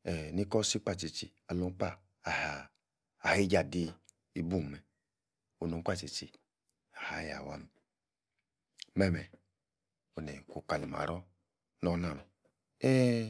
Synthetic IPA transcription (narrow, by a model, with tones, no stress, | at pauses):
ɛ˨ni˦kɔ˦si˦k͡pa˦˨t͡ʃi˧t͡ʃi˧ | a˨lo˧˦k͡pa˦˨ | a˨haː˨ | he˦d͡ʒa˨di˧ | i˧bu˦˨m˨mɛ˨ | o˨nu˧˦k͡pa˦˨t͡ʃi˨t͡ʃi˨ | a˨ha˨˦ja̰˨wa̰˦m˨ | mɛ˦˨mɛ˨ | o˨nɛ˨ko˨ka˨li˨m˨a̰˨ɾɔ˦ | nɔ˧˦na˦˨m˨ | ɛ˦